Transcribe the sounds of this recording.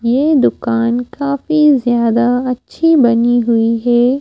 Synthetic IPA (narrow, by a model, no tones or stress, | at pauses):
jeːd̪ʊkaːnkaːfizjaːd̪aɐtːʃʰibɐniɦʊiɦɛː